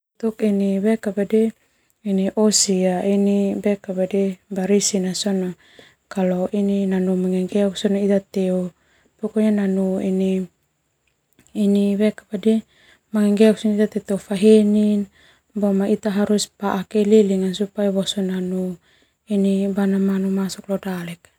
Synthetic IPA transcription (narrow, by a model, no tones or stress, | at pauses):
t̪ukiniβekabade | iniʔosiainibekabadebaɾisinasona | kaloʔininanumaŋeŋɡeoksonait̪at̪eu | pokoɲananuini | nibekabadi | maŋeŋɡeoksonit̪at̪et̪ewfaɦenin | bomait̪aɦaɾuspaʔakeliliŋansupajβosonanu | inibanamanumasoklodalek